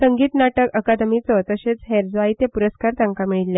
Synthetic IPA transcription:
səŋɡiːt̪naʈəkəkad̪mit͡sət̪əɕet͡sɦeɾd͡zʋait̪epuɾəskaɾt̪ãŋkamiɭilːe

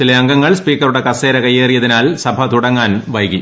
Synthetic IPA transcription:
t͡ɕilɐɐŋɡɐŋːɐɭspiːkːɐruɽe̞kɐseːɾɐkɐjːeːrijɐðinaːlsɐbʱɐt̪uɽɐŋːaːnʋɐjki

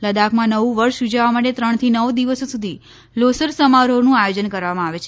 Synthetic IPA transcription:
ləd̪akʰmãnəʋũʋəɾʃjud͡ʒaʋamaʈet̪ɾəɳ̃t̪ʰinəʋd̪iʋəsosud̪ʱi | losəɾsəmaɾonũajod͡ʒənkəɾʋamãaʋet͡ʃʰe

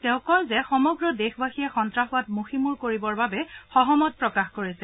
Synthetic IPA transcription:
tɛ̃ʊ̃kɔnzɛxɔmɔɡɹɔdexbaxiɛxɔntɹaxʊatmuximuɹkoɹibɔɹbabɛxɔɦɔmɔt̚pɹɔkaxkoɹisɛ

